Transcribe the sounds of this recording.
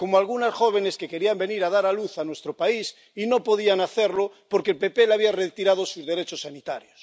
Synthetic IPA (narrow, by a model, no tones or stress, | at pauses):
ko̞moalɣunasxo̞β̞e̞ne̞ske̞ke̞ɾiambe̞niɾað̞aɾaluθanwe̞st̪ɾopais | ino̞po̞ðianaθe̞ɾlopo̞ɾkelpe̞pe̞laβiaret̪iɾað̞osuzðe̞ɾe̞t͡ʃosːanit̪aɾjos